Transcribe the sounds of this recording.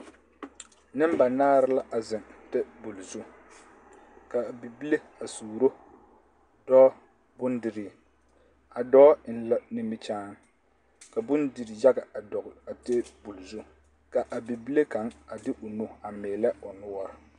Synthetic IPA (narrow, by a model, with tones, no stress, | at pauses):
nɪ˦m˦ba˨naː˦ɾɪ˦la˦ʔa˨zɪ˨ntɛ˦bu˨lzu˦ | ka˨bi˨bi˦le˦ | a˨suː˨ɾo˦ | d̥ɔ˦ | bʊ˦ndɪ˨ɾi˦˨ | a˨dɔː˦n̩˨la˦ni˦mi˦t͡ʃaː˦n | ka˨bʊ˦ndi˨ɾi˨ja˦ɡa˨a˨dɔ˨ɡa˨te˦bu˨lzu˦ | ka˨ʔa˨bi˨bi˦le˦ka˨˦ŋa˨dɪ˦ʔʊ˨nu˦˨a˨meː˨lɛ˦ʊ˨nʊ˦wɔ˦ɾɪ˨